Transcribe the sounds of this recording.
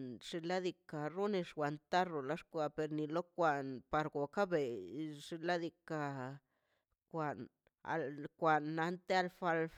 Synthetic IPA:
nʂi˧la˦d̪i˧ka˨ɾu˦ni˧ʂwʷa˨nt̪a˦ro˨la˧˦ʂkʷa˧˨pe˧ɾni˧lo˦kʷa˧npa˧ɾɡo˨ka˦be˨ʂi˧la˦d̪i˧ka˧ | kʷa˨n | a̰˧lkʷa˨nːa˧nt̪e˦a˧lfa˧lf

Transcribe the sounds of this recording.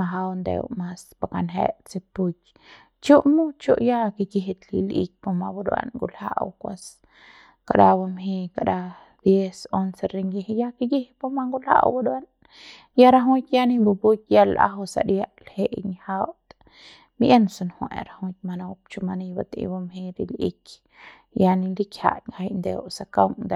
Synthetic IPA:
aɦawnd̪ḛ˧wma˧spakanɦḛ˦t͡sipu˧kʲ | t͡ʃu˦ʔmu˦t͡ʃu˦ʔja˦kiɡiɦe˧t̪lḭ˧lḭk̚poma˧bad̪wa̰˧nɡu˧lha̰ʔwkʷa˧s | ka˨daba˧mɦi˧ka˨ɾa˧ | d̪je˦sonseɾiŋɡihja˦ki˦ɡi˦hpo˦ma˦ŋɡu˦lha̰˦ʔwbad̪an | ja˦ɾa˦ɦũ˦t̪ja˦ni˦bu˧bu˦kʲja˦la̰˦ɦu˧sa̰˨ɾja˦lhe˦˨ʔɲha˦wt̪ | mie˦nsa˧nhwe˨ɾa˧hu˧t̪̚ma˧no˧pt͡ʃu˧ma˧ni˧ba˧t̪ḭ˧ba˧mɦi˧ɾḭ˧lḭ˦k | ja˧ni˧li˦kʲha̰˨ŋha˧jnd̪ḛ˧wsa˧ka˦wŋd̪a

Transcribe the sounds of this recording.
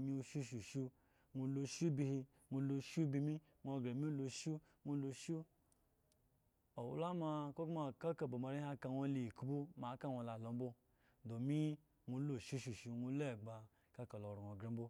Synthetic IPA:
ɲi˧u˧ʃu˦ʃu˨ʃu˦ | ŋu˧lo˧ʃu˦bi˧hi˧ | ŋu˧lo˧ʃu˦bi˧mi˦ | ŋʷo˧ɡɾe˨mi˦lo˧ʃu˦ | ŋu˧lo˧ʃu˦ | o˨wṵ˦la˦ma˧ko˦kma˧ka˦ka˨bo˨ma˧ɾi˦a˧ka˧wʷo˧li˨ku˦bu˦ma˨˦ka˦wʷo˧˨la˨lo˧m̩˦bo˦ | do˨mi˦ | ŋu˧˦lo˨ʃu˦ʃu˨ʃu˧ŋu˧˦le˦˨ɡ͡ba˧ | ka˦ka˨lo˨ɾu˨ŋʷo˨ɡɾe˨˦m̩˦bo˦

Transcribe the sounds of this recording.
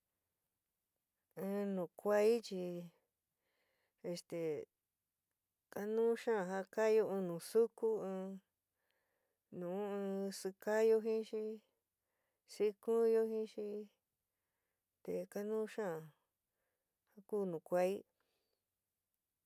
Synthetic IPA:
ɨ̃˧nũ˨kʷa˦i˦t͡ʃi˧ | e˧st̪e˨ | ka˦nũː˦ʃã˦˨ɦa˦ka˦jo˧ɨ̃˧nũ˨su˦ku˦ɨ̃˧ | nũː˨˦ɨ̃˧sɨ˧ka˦jo˧ɦĩ˦ʃi˦ | si˦kũ˦jo˦ɦĩ˦ʃi˧˦ | t̪e˨ka˦nũ˦ʃã˦˨ | ha˦kuː˦nũ˨kʷa˧i˦

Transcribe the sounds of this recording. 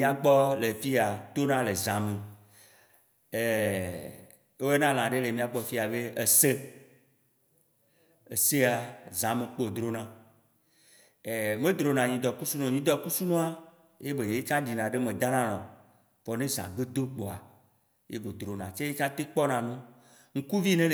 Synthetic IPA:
ĩ˦a˨ɡ͡bɔ˦le˨fi˦a˨t̪o˦nã˦le˨zã˨mẽ˨ | e˨ | e˦o˦e˦nã˦l̃ã˨ɖe˦le˨mĩ˨a˨ɡ͡bɔ˦fi˦a˨be˦e˨se˦ | e˨se˦a˨zã˨mẽ˨k͡po˦˨d̪ɾo˦nã˨ | e˨mẽ˦d̪ɾo˨nã˨ɲĩ˨d̪ɔ˨ku˦su˦nõ˨ɲĩ˨d̪ɔ˨ku˦su˦nɔ̃˦a˦ | je˦be˨e˦t͡ʃã˦ɖi˨nã˨ɖe˦mẽ˨d̪a˦nã˦nɔ̃˨ | fɔ˨nẽ˦zã̰˨ɡe˦d̪o˦k͡pɔ˨a̰˨ | je˦be˨d̪ɾo˨nã˨t͡ʃe˦je˦t͡ʃã˦t̪e˦k͡pɔ˦nã˨nũ˦ | ŋ̩˦ku˦vi˦nẽ˦

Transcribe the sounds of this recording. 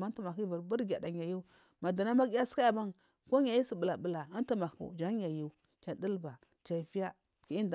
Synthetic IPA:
ma˦n˦tu˦ma˨ki˦va˨ɾbu˦ɾɡʲa˨da˨a˨ju˦ | ma˨da˨na˦ma˦ɡi˦ja˦si̥˦ka˦ja˨ba˦n | ko˦ɲa˨ji˦si˨bə˨la˨bə˨la˨a˦n˦tu˦ma˨kṵ˨d͡ʒa˦a˨ju˦ | t͡ʃa˨di˦lba˨ | t͡ʃa˨fi˦ja˦ | ki˦i˦nd

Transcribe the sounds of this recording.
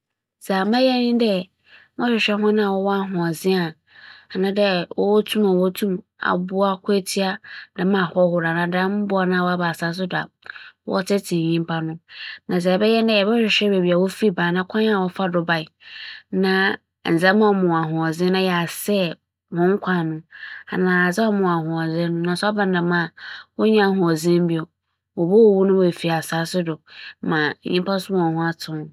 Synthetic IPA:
saː˨mã˦jɛ˦nɪ̃˦dɛ˦ | mɔ̃˦ɕᶣɪ˨ɕᶣɛ˦ɦʊ̃˦nã˦a˨wɔ˦wɔ˦a˦ɦʊ̃˨a˨zɪ̃˦a˨ | a˨nã˦dɛ˦wɔ˦wɔ˦tʰũ˦mã˨wɔ˦tʰũ˦m | a̰˨bʊ˦a˦kʰʊ˦e˦tʰi˦a˦dã˨˦mã˨hɔ˦hʊ˨ɾa˨nã˨dã˦m̩˦bʊ˦a˨nã˦˨wɔ˦a˦ba˨sa˨˦s̬ʊ˦da˨ | wɔ̰˦tʰɛ˦tʰĩ˨ɲĩ˦m˦pʰa˦nʊ̃˦nã˨s̬a˨ɛ˨bɛ˦jɛ˦ndɛ˦ɛ˨bɛ˦ɕᶣɪ˨ɕᶣɛ˦be˨bi˨a˨wo˦fi˦bãː˨nã˦kʰã˦ɲ˦a˨wɔ˦fa˦dʊ˨ba˨i˨nã˨ | n̩˨zɛ̃˦mã˦˨mʊ̃˨a˨ɦʊ̃˨ɔ˨zɪ̃˦nã˦jɛ˨a˨sɛ˦ | hɔ̃˨˦ŋ̩˦kʷʰã˨nʊ̃˦a˨nãː˨a˨d͡zɛ˦mʊ̃˨a˨hʊ̃˨ɔ˨zɛ˦nʊ̃˦nã˨n˨sɔ˦bã˨n˦nã˨mã˦˨wɔ˦ɲã˦a˨ɦʊ̃˨ɔ˨zɪ̃˦m̩˦bi˦ɔ˨ | wɔ˨bo˦wo˨wu˦nʊ̃˦wfi˨a˨sa˨˦sʊ˦dʊ˨mã˨˦ɲĩ˦m˦pʰa˦sʊ˦mã˦˨ɔ˨hʊ̃˦a˦tʰʊ̃˦n˨˦

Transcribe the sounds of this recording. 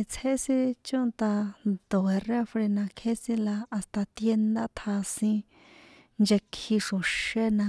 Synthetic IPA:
i˧t͡sʰe˦sĩ˦t͡ʃũ˦nt̪a˧d̪̥o˨e˨re˦˧fɾe˧nã˧kʰe˦sĩ˦laː˧st̪a˧t̪je˧nd̪a˦t̪ʰa˧sĩ˧ | nd͡ʒe˧kʰi˧ʂõ˨ʃe˦nã˧

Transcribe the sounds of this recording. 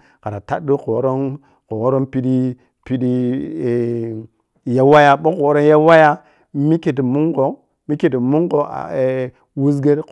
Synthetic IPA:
ka˨ɾa˨ta̰˦du˦ko˨˦ɾo˦n | ko˨wo˦ɾo˦npi˦di˦ | pi˦di˦˨ | ja˦wa˦ja˦bo˦ko˨˦ɾo˦n˦ja˦wa˦ja˦ | mi˦ke˨t̬i˨mu˦ŋɡo˨ | mi˦ke˨ti˨mu˦ŋɡo˨a̰˨ | wu˦s̬ɡe˦ɾ

